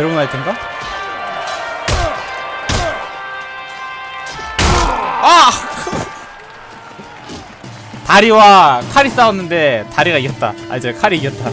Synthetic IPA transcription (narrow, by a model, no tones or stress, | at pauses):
ɯɾʌʌnaitʰenɡa | akɯ | taɾiwakʰaɾis͈aʌnːɯnde̞taɾiɡaijʌt̚t͈a̰a̰id͡ʑekʰaɾiijʌt̚t͈a